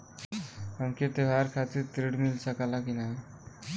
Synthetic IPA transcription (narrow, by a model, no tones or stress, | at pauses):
ɦəmket̪eɦaɾkʰat̪iɾt̪ɾiɽmilsakalakina